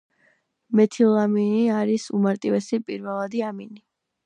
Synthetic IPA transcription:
mɛt̪ʰilˠaminiaɾisṵmaɾt̪ʼivɛsipʼiɾvɛlˠad̪iamini

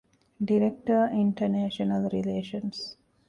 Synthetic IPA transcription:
ɖiɾek̚ʈəɾĩɳʈəneːʃənəlɾileːʃə̃ns

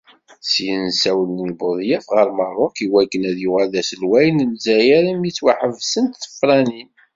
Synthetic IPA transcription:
siənsæwəlnibʊðˤjæfʁəɾmərˤːʊkiwækːənæðjʊʁælæsəlwæjnnzæjæɾimjit͡sːwaħəvsənt̪θə̥fɾˤænin

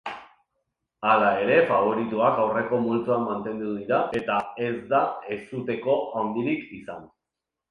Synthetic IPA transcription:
alae̞ɾe̞faβ̞o̞ɾit̪uakawre̞ko̞mult͡s̪uamːant̪e̞nd̪uðiɾaʔe̞t̪ae̞zd̪ae̞sut̪e̞ko̞awnd̪iɾikisan

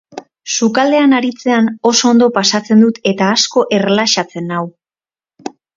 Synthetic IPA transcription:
sukald̪e̞anaɾit͡se̞ano̞so̞ːnd̪o̞pasat͡se̞nd̪ut̪e̞t̪aːsko̞ʔe̞rlaʃat͡se̞naw

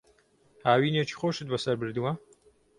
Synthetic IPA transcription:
haːwiːneːt͡ʃʰi̥xoːʃɨt̪̚bɐsɐɾbɨɾd̪uwɐ

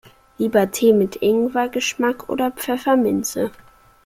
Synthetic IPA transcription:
liːbɐtʰeːmɪtʰʔɪŋvaɡəʃmakʔo̰ːdɐpp͡fɛfɐmɪnt͡sə

